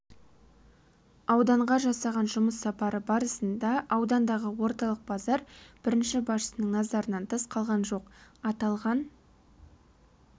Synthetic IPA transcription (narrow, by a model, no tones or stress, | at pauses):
ɑwd̪ɑɴʁɑʒɑsɑʁɑnʒʊməsːɑpɑɾəbɑɾəsənd̪ɑʔɑwd̪ɑnd̪ɑʁəwo̞ɾt̪ɑlˠəq̚bɑzɑɾb̥ɪɾɪnʃɪbɑʃə̥sənəŋnɑzɑɾənɑnt̪ʰəsqʰɑlˠʁɑnʒo̞qɑt̪ɑlˠʁɑn